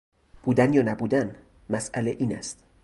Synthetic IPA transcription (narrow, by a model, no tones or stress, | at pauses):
b̥uːd̪ænjɒːnæbuːd̪æn | mæsʔæleʔiːnæ̰st̪